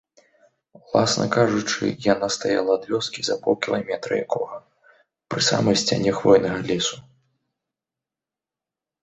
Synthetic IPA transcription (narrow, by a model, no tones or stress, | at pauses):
wlˠasnɐ̰kaʐut͡ʂɨ̰janast̪aja̰lˠɐːd̪vʲɔskʲizɐpɔwˠkʲilˠamʲɛt̪ɾɐ̰ja̰kʰɔɣɐ | pɾɨsa̰mɐjsʲt͡sʲanʲɛxvɔjnɐɣɐlʲɛsu